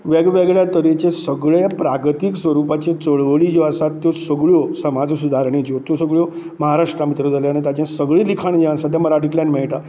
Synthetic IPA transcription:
ʋeɡʋeɡɭjat̪əɾet͡ɕesəɡɭepɾaɡt̪iksʋəɾupat͡ɕet͡səɭʋəɭid͡ʑoəsat̪ːjɔsəɡɭjɔsəmad͡zsud̪ʱaɾɳ̃id͡ʑot̪josəɡɭjɔ | məɦaɾaʂʈɾamit̪ɾəd͡zʱaljañit̪jat͡ɕãsəɡɭĩlikʰaɳd͡ʑeãnsat̪jãməɾaʈikljãnmɛɭʈa

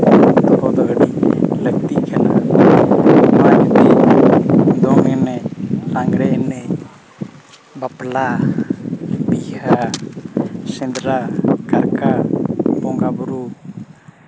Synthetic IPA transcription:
t̪hɔd̪ɔɡəɖilək̚t̪ikana̰ | maɾt̪i | d̪ɔŋɛnɛlaŋɡɽɛɛnɛ | bapla | biha | sɛ̃nd̪ɾakaɾkabɔŋɡabuɾu

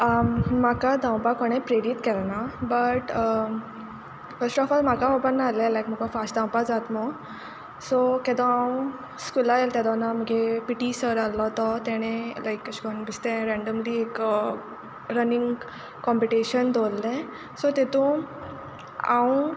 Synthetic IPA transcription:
əmakad̪ʱãw̃pakoɽ̃epɾeɾiʈkɛlnabəʈ | fəɾsʈɔfɔlm̤akaɔpənːalelajkm̤əɡɔfasʈd̪ʱãw̃pad͡zat̪mɔɡ | sɔkɛd̪ɔ̃awũ | skulaelt̪ɛd̪ɔnam̤əɡepiʈisəɾalɔt̪ɔt̪ɛɽ̃elajkəɕkɔnbist̪ẽɾɛ̃ɳɖəmliek | ɾəniŋɡ | kɔmpiʈiɕənd̪ʱolːẽ | sɔt̪et̪ũ | ã̰ũ

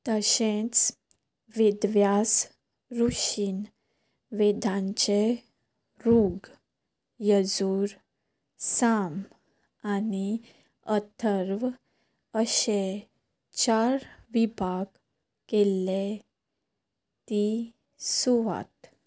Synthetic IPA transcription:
t̪əɕẽt͡s | ʋid̪ʋjas | ɾuɕiːn | ʋed̪ʱãɲt͡ɕe | ɾuɡ | jəd͡zuːɾ | sam | ani | ət̪ʰəɾʋ | əɕe | t͡ɕaɾʋibʱaɡ | kele | t̪i | suʋa̰t̪

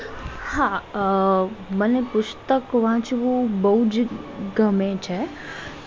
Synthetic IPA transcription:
hã | mənepʊst̪əkʋãːt͡ʃʰiʋobəɦud͡ʒɡəmẽt͡ʃʰɛ

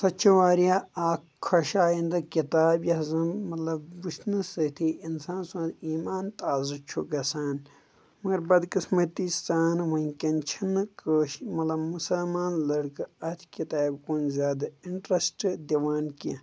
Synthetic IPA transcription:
sɐt͡ʃʰɐʋaːɾijaaːkkʰːɐʃaːjind̪ɐkit̪aːbjɐzɨmɐt̪lɐbbuʃnɨsɐt̪ʰiinsãːnsũːnd̪iːmaːnt̪aːzɨt͡ʃʰuɡɐsaːn | mɐɡɐɾbɐd̪kismɐt̪isaːnʋɐikʲɐnt͡ʃʰinɨkəʃmɐt̪lɐbmusɐlmaːnlɐɽkɨɐt̪ʰkʲit̪aːbkoːnzʲaːd̪ɐiɳʈɾɐsʈd̪ɐʋaːnki

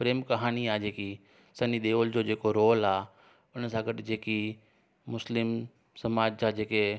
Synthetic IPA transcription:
pɾeːmkɐɦaːniaːd͡ʑeːki | sɐniɗ̪eːoːld͡ʑoːd͡ʑeːkoɾoːlaː | ʊnəsãɡɐɗɪd͡ʑeːki | mʊslɪm | sɐmaːd͡ʑsãd͡ʑeːke

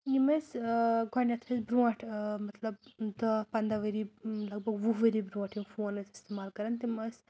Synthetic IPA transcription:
jimɐsɡʱɐɳjɐt̪ʰɐsbɾuɐ̃ʈʰmɐt̪lɐbd̪ɐpɐnd̪aʋəɾilɐɡ̚bʱɐɡʋuɦʋəɾibɾũɐʈʰinfoːnɐsist̪emaːlkɐɾɐnt̪imɐs

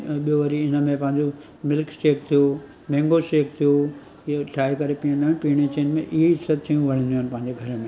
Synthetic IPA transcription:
ɓijoʋɐɾiɪnəmẽpɐ̃ɦɪ̃ɲd͡ʑo | mɪlksʈeːk̚t̪ʰijo | mẽːŋɡoʃeːkt̪ʰijo | ʈʰaːikɐɾepiːə̃nd̪aːnɪpiːɽ̃et͡ɕeːnmḛ̃ʔɪɦeɪsɐt̪̚t̪ʰijũʋɐɽ̤ĩnd̪ioːnɪpɐ̃ɦɪ̃ɲd͡ʑeɡʱɐɾəmẽ

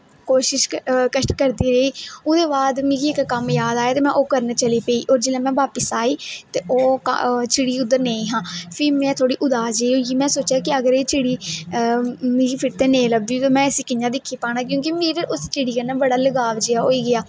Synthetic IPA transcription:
koːʃɪʃkəʃʈkəɾd̪iːɾəiːʊd̪eːbaːd̪mẽːɡiːɪkːəmjaːd̪aːjaːt̪eːmɛ̃ːʔoːkəɾnt͡ʃəliːpeiːʔoːɾd͡ʒɪlẽːmɛ̃ːʋaːpəsaːiːt̪eːʔoːkə̰t͡ʃɪɽiːʊd̪ːəɾneːĩːɦãːpʰɪɾmɛ̃ːt̪ʰoːɽiːʔʊd̪aːd͡ʒeoːiːmɛ̃ːsoːt͡ʃjaːkɪəɡəɾeːt͡ʃɪɽiː | mẽːɡiːpʰɪɾt̪eːnẽːləb̚d̪iːt̪oːmɛ̃ːəsiːkɪjãːd̪ɪkʰːiːpaːnaːk̬jõːk̬imɪɾʊst͡ʃɪɽiːkənãːbəɽaːləɡaːʋd͡ʒeaːoːiːɡɪjaː

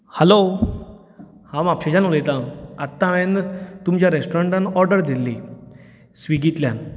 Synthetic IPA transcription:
həlo | hãmapɕed͡ʑanəlet̪ãat̪ːãʋẽnt̪umt͡ɕjaɾesʈoɾeɳʈanɔɾɖəɾd̪ilːi | sʋiɡit̪ljan

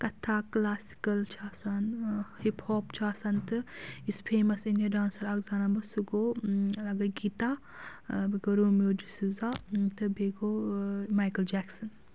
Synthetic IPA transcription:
kɐt̪ʰːaːklaːsi̥kɐlt͡ʃʰaːsɐnhiphoːpt͡ʃʰaːsɐnt̪ɨispʰeːmɐsinɐɖaːnsɐlɐɡzaːnabɐsuɡoːlɐɡɐɡiːt̪aː | biɡɐɾuːmoːd͡ʒisuzat̪ɨbeːɡoːmaːjkɐld͡ʒɛːksɐn

